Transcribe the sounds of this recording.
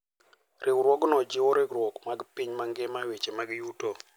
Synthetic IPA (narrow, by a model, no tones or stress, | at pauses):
rʔekuɾwɔɡnɔd͡ʒɪwɔɾeɡɾwɔɡmaɡpiɲmaŋɡemawet͡ʃemaɡjuto